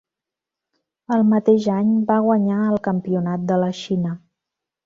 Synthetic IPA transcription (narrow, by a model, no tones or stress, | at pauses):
əlˠmət̪eʒaɲbaɣ̞wəɲaəlˠkəmpiunat̪̚d̪ələʃinə